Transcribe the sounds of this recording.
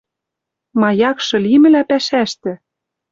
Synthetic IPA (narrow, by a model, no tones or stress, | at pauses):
mɑjɑkʃɤ̆limɘ̆læpæʃæʃt̪ɘ̆